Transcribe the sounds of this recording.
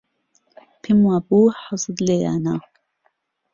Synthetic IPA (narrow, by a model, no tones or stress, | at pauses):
pʰimwaːbuːħɑzˤɨd̪leja̰ːna